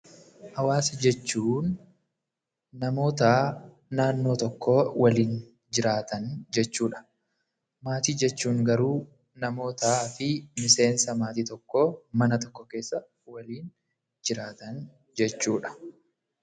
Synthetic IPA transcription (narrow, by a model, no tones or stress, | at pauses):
hɐwaːsɐd͡ʒɛt͡ʃːuːn | ɐmo̞ːt̪aː | naːnːo̞ːt̪ɔkːo̞ːwɐliːn | d͡ʒɪɾaːt̪ɐnd͡ʒɛt͡ʃːuːᶑɐ̥ | maːt̪iːd͡ʒɛt͡ʃːuːŋɡɐɾuː | nɐmo̞ːt̪aːfɪmɪse̞ːnsɐmaːt̪iːt̪ɔkːo̞ːmɐnɐt̪ɔkːɔke̞ːsːɐ | wɐliːn | d͡ʒɪɾaːt̪ɐn | d͡ʒɛt͡ʃːuːᶑɐ̥